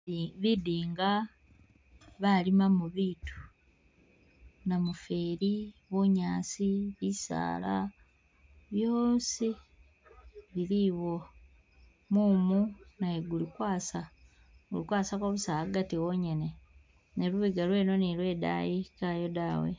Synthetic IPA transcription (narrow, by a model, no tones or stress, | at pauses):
βidiːŋɡa | βalimamuβitu̥ | namufeːɾiβoɲaːsiβisa̰ːla̰ | βjoːnsi | βiɾiβo | muːmunajeɡulikwaːsa | ɡṵlikwaːsakoβusaaɡatiwoɲe̞ne | neluβiɡalwe̞ːno̞nilwe̞ːda̰jikajo̞daːwḛ